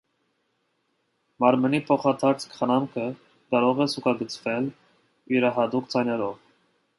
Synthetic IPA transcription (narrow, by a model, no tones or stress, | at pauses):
mɑɾmənipʰɔχɑt̪ʰɑɾt͡sʰkχənɑmkʰə | kɑɾɔʁɛsukɑɡət͡sʰvɛl | iɾɑɦɑt̪ukd͡zɑjnɛɾɔv